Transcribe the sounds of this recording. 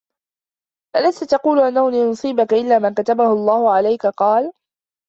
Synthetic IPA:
ʔalast̪at̪ɑquːlʊʔanːanːnɑsˤiːbakaʔɪlːaːmankat̪abahʊlˤːɑːhʊʕalajkaqɑːl

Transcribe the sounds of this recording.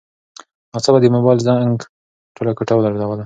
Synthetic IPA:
at͡sabad̪əmʊbɑjlzaŋɡ | ʈolakʊʈawlaɾd̪awala

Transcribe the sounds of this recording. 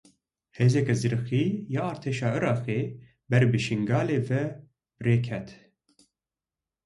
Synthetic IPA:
heːzɛkɛzɨɾɨxiːjɑːɑːɾt̪ʰeːʃɑːɨɾɑːxeː | bɛɾbɨʃiŋɡɑːleːvɛ | reːkʰɛt̪

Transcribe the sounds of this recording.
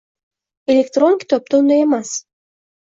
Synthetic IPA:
elʲekt̪ronʲkʲi̥t̪op̚t̪ond̪ojemɑs

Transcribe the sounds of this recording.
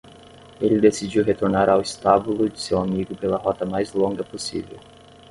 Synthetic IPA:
elɪd̪esid͡ʒiwɦet̪oɾnaɾawist̪abulud͡ʒɪsewamiɡʊpelɐɦɔt̪ɐmajzlõŋɡɐposḭvḛw

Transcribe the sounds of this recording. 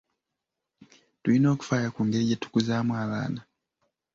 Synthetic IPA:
tuino̞ːku̥fajakuŋɡeɟatu̥kuzamwaβa̰ːna

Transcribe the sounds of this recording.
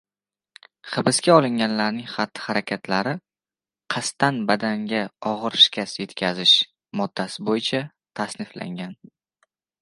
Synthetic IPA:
χɨbɪskʲaɒlˠɪŋʲanlaɾnɪŋχɑt̪ʰːɪ̥χaɾakʲʰat̪ʰlaɾɪ | qʰɑst̪anbad̪aŋɡʲaɒʁɨɾʃɪ̥kʲʰasje̞t̪kʲʰazɪʃ | mɒd̪̥ːasɪbojɪt͡ʃʰa | t̪ʰasnɪfla̰ŋɡʲan

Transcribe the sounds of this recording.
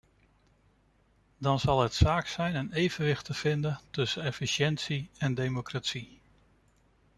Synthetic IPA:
dɑnzɑlˠətsaːksɛjnənejvənʋɪχtəv̥ɪndətɵsənɛfiʃɛntsiɛndemokratsi

